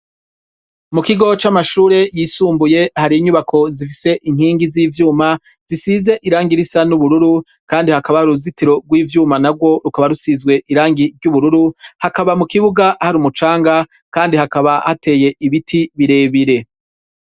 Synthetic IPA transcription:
mukiɡo̞t͡ʃamaʃuːɾe̞jiːsuːmbuje̞haɾiːɲuβakʰo̞zifise̞ʔiŋ̥hiːŋɡiziːvjuːma | z̥isize̞ʔiɾaːŋɡiɾisanuβuɾuɾu | kaːndihakaβahaɾuzitiɾo̞ɡwiːvjuːmanabɡwo̞ɾukaβaɾusizɡwe̞ʔiɾaːŋɡiɾɟuβuɾuɾuhakaβamukiβuɡahaɾuːmut͡ʃaːŋɡa | kaːndihakaβahate̞ːje̞ʔiβitʰiβiɾe̞ːβiɾe̞

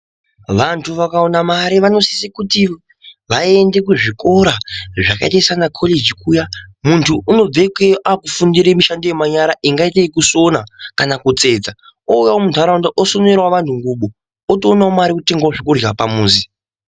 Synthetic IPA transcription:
ʋantʰuʋakaonamaɾiʋano̞sisikuti | ʋaende̞k̬uʐiko̞ɾaʐakaetesanakʰo̞led͡ʒikʰujamuntʰuːno̞b͡vekeʔakufundiɾemiʃandojemaɲaɾaʔiŋɡaiteikuso̞nakanakut͡se̞ːd͡za | oujawomuntaɾaundaʔosonerwaʋantʰuŋɡuɓo | otoːnaomaɾikute̞ŋɡwaoʐekurjapamuːzi

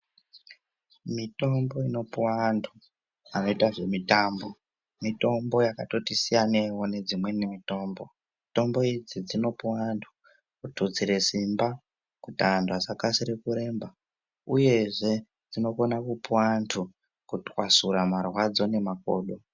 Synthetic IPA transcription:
mito̞mbo̞ino̞pwantʰu | ano̞itaʐe̞mitambo̞ | mito̞mbo̞jakato̞tisijanewo̞ne̞d͡zimwe̞nemito̞ːmbo̞ | mito̞mbo̞id͡zid͡zino̞pwantʰu̥ | kutud͡ziɾe̞simba | kutandasakasiɾekuɾe̞ːmba | uje̞ʐe̞ | d͡zino̞ko̞nakupwantʰu | kutwasuɾamarwad͡zo̞ne̞mak̚o̞̰ːɗo

